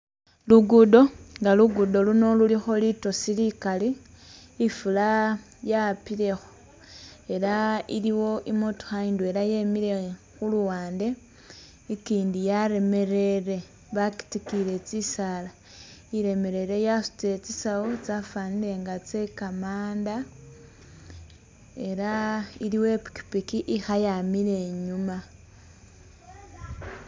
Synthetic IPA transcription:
luɡudo̞ŋɡaluɡudo̞luno̞lulixo̞lito̞silikaliː | fula | japile̞xo̥ | e̞ɾaḭliwo̞ʔimotu̥xaindwe̞ɾaje̞miɾe̞ | xuluwaːnde̞ | ikiːndijaɾe̞me̞ɾeɾe̞ | βaki̥tikiɾe̞t͡sisala | iɾe̞me̞ɾe̞ɾe̞jasu̥t͡se̞t͡sisawot͡safaniɾe̞ŋɡat͡se̞kamaːnda | e̞ɾaiɾiwe̞pi̥ki̥pikiʔixajamiɾe̞ɲuma

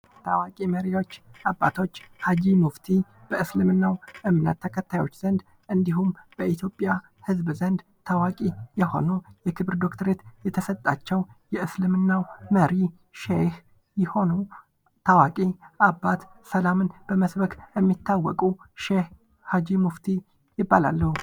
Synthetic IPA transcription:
t̪ʰawakʼiməɾijo̞t͡ʃːʔabːat̪ʰo̞t͡ʃːhad͡ʒimuft̪ʰi | b̥əʔɨslɨmɨnːawʔɨmnə̰t̪ːʰəkʰət̪ʰːajo̞t͡ʃːz̥ənd̪ | ʔɨnd̪iɦumb̥əʔit̪ʰjo̞pʼːja | hɨzbzənd̪ | t̪ʰawakʼijɛho̞̰nojɛkʰɨβɨɾd̪o̞kt̪ʰəɾet̪jɛt̪ʰəsət̪ʼːat͡ʃːɛwjɛʔɨslɨmɨnːawməɾi | ʃeh | jɪho̞nu | t̪ʰawakʼiʔabːat̪səlamɨnb̥əməsbəkʼjɛmːit̪ʰːawːɔkʼuʃeh | had͡ʒimuft̪ʰi | jɪbːala̰lːəhu

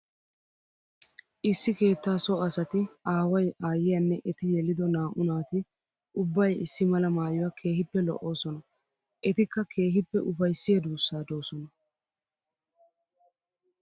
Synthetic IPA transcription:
ʔɪsːɪke̞ːt̪ːaːsɔɐsɐt̪ɪaːwɐjʔaːjɪjɐnːɛʔɛt̪ɪjɛlɪd̪ɔnaːʔʊnaːt̪ɪ | ʔʊbːɐjɪsːɪmɐlɐmaːjɔwakʰe̞ːɦɪpːɛlɔ̰ʔo̞ːsɔnɐ | ʔɛt̪ɪkːɐkʰe̞ːɦɪpːɛʔʊfɐjsːɪjɐd̪uːsːaːd̪o̞ːsɔnɐ

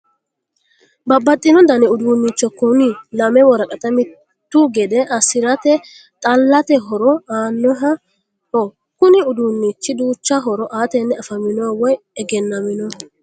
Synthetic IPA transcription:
bɐbːɐt̪ʼːɪnɔd̪ɐnɪʊd̪uːnːit͡ʃːɔkʊnɪlɐmɛwɔɾɐkʼɐt̪ɐmɪ | t̪ːuɡɛd̪ɛʔɐsɪɾɐt̪ɛ | t̪ʼɐlːɐt̪ɛɦɔɾɔaːnːɔɦɐ | ɔ | kʊnɪʊd̪uːnːit͡ʃːɪd̪uːt͡ʃːɐɦɔɾɔʔaːt̪ɛnːɛɐfɐmɪnɔwawɔj | ɛɡɛnːɐmɪnɔ

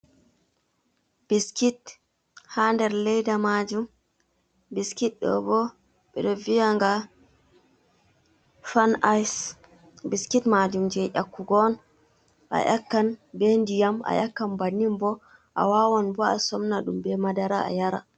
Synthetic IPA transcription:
b̥iskit | handɛɾlɛjdamad͡ʒum | biskit̚ɗɔ̰bɔ | ɓɛɗɔvijaŋɡa | fanajs | biskitmad͡ʒumd͡ʒɛʔakːuɡɔn | ʔa̰ʔakːanbɛndijama̰jakːanbanːimbɔ | ʔa̰wawɔnbɔa̰sɔmnaɗumbɛmadaɾaa̰jaɾa̰

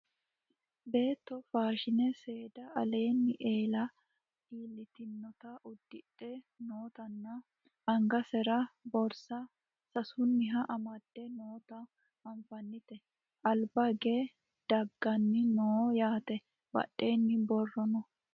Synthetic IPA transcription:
be̞ːt̪ːɔfaːʃɪnɛse̞ːd̪ɐɐle̞ːnːɪʔe̞ːlɐ | iːlːɪt̪ɪnːɔt̪ɐʔʊd̪̥ːɪᶑʼːɛ | noːt̪ɐnːɐ | ɐŋɡɐsɛɾɐbɔɾsɐ | sɐsʊnːɪɦɐʔɐmɐd̪̥ːɛnoːt̪ɐ | ɐɱfɐnːɪt̪ɛ | ʔɐlbɐɡe | d̪̥ɐɡːɐnːɪnoːjaːt̪ɛ | bɐ̰ʔːe̞ːnːɪbɔrːɔnɔ

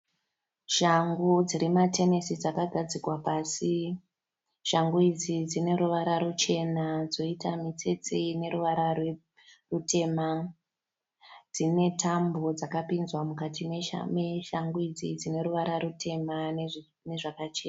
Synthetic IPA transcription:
ʃaŋɡud͡ziɾimate̞ne̞sid͡zakaɡʱad͡zikwapasi | ʃaŋɡuid͡zid͡zine̞ɾuʋaɾaɾut͡ʃe̞nad͡zo̞itamit͡se̞t͡seine̞ɾuʋaɾawe | rute̞ma | d͡zine̞tʰambo̞d͡zakapinzwamukatʰimḛmeʃaŋɡuid͡zid͡zine̞ɾuʋaɾaɾutʰe̞man | ne̞ʐakat͡ʃeːna

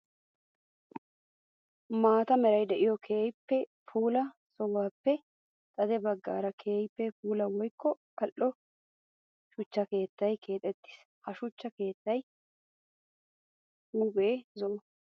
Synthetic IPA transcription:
maːt̪ɐmɛɾɐjd̪ɛʔɪjɔkʰeːjpːɛpʰuːlɐ | sɔwaːpːɛ | t̪ʼɐd̪ɛbɐɡːa̰ːɾɐkʰeːjpːɛpuːlɐwɔjkːɔkɐlʔːɔ | ʃʊt͡ʃːɐke̞ːt̪ːɐjkʰe̞ːt̪ʼɛt̪ːɪ̥s | hɐʃʊt͡ʃːɐke̞ːt̪ːɐj | uːbeːzɔ

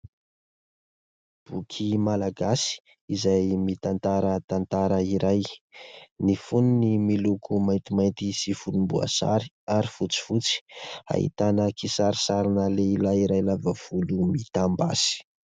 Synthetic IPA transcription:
b̥ukʰimalaɡasi̥ | izajmit̪ant̪aɾət̪ant̪aɾəiɾaj | nifununimilukumajnt̪imajnt̪isifunumbua̰sa̰ɾi̥ | aɾifut͡si̥fut͡si̥a̰ɦḭt̪anəkisaɾisaɾinəleilaiɾajlavəv̥ulumit̪amba̰si̥

